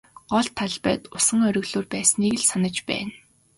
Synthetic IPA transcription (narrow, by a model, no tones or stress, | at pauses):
ɢ̥ɔɮt̪ʰːaɮpæ̰ːt̪ʊsə̆ŋœɾʲɵ̆ɣɮoːrpæːsniːɣɘ̆ɮsanə̆t͡ɕpæ̰ːn